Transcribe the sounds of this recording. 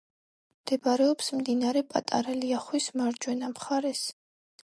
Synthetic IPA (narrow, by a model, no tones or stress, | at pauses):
md̪̥ɛbaɾɛɔpsmd̪inaɾɛpʼa̰t̪ʼa̰ɾaliaχwismaɾd͡ʒwɛnamχaɾɛs